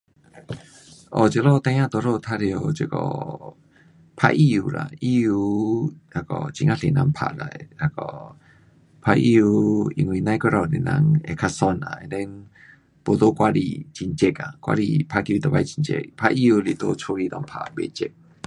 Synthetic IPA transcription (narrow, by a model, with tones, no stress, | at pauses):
ʔɔ˨t͡ɕe˧lɔ˥˧˨t̪ã˧˦ã˦˧t̪ɔ˧˨lo˧˨t̪ʰa˧ɾjt͡ɕi˧˨kɔ̰˧˨ | pʰa̰˧ʔi˦u˧la̰˨i˦˨u˧a˧˩kɔ̰˨˧t͡ɕi˧ŋa˧ɬe˨nã˧˦ŋpʰa̰˨la̰˨jha˧˩kɔ̰˧ | pʰa˧ʔḭ˧u˧i˧ŋwi˧˨nã˧jkɔ˧˦ɾɔ˧˨ne˨˩na̰˧˦ŋe˧˨kʰa˧sɔ˧na̰˨ḛ˨˧t̪ɛ˧˦n | po˨˧t̪o˦kwa˦˧lḭ˧˨t͡ɕi˧nt͡ɕe˧k̚a̰˨kwa̰˦˧ɾi˧˨pʰa˧ki˧t̪ɔ˨˩ba˧jt͡ɕi˧nt͡ɕɛ̰˧k̚pʰa˧ʔi˦˧u˧li˨˩t̪o˦t͡sʰo˧˦li˧t̪ɔ˧˨ŋpʰa˨be˧t͡ɕe˧k̚